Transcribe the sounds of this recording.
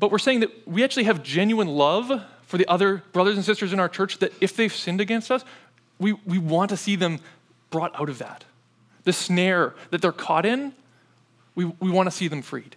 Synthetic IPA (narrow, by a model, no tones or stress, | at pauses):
b̥ʌt̚wɨɹseɪɪ̃ŋðɨt̚wiæk̚t͡ʃʉl̩ˠiɨvd͡ʒɛ̃njʉə̃nlʌv̥ | fə˞ðiʔʌðə˞b̥ɹʌðə˞z̃n̩sɪstə˞zɨ̃naʊə˞t͡ʃʰɜ˞t͡ʃðɨɾɨfðeɪv̥sɪ̃ndɨɡɛ̃nstʌs | wiwiwɑ̃ntɨsiðɨ̃m | b̥ɹɔɾa̰ʊɾʌvðæ̰t̪̚ | ðɨsnɛɹðɨt̪̚ðə˞kʰɔ̰ɾɪ̃n | wiwiwɑ̃ntʰɨsiðɨ̃ɱfɹḭd̥